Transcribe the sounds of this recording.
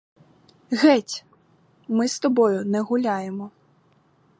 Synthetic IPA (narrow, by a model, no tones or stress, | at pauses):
ɣɛtʲ | mɪst̪ɔbɔjʊnɛɣʊlʲajɛmɔ